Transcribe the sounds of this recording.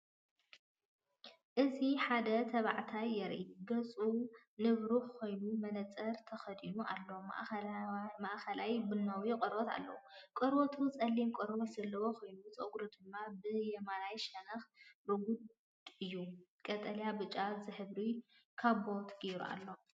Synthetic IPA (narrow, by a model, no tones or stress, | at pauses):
ʔɨziħad̪ɐt̪ʰɐβaʕt̪ʰajːɐɾʔḭɡɐt͡sʼu | nɨβɾuħkʰo̞jnumɐnɐt͡sʼɐɾt̪ʰɐxɐd̪inuʔa̰lːoma̰ʔ | maʔxɐlajbɨnːawikʼɐɾot̪a̰lːɐ̰wukʼɔɾβot̪ʰut͡sʼɐlːimkʼɔɾβot̪z̥ɐlːɐwoxo̞jnut͡sʼoɡɾud̪ɨmːabɨjɛmanajʃɐnɐxɾɨɡud̪ | ɨjːukʼɐt̪ʼɐljabɨt͡ʃʼazɨħɨβɾi | kʰaβbo̞t̪ʰɡ̥iɾṵa̰lːo̞